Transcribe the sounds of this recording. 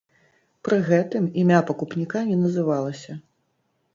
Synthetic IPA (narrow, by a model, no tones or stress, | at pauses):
pɾɨɣɛt̪ɨmimʲapɐkupnʲikanʲɛnɐzɨvalˠɐsʲɐ